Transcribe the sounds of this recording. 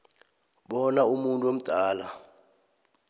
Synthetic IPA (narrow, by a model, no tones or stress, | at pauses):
ɓɔnaumuntʼuom̩d̥ʱaːla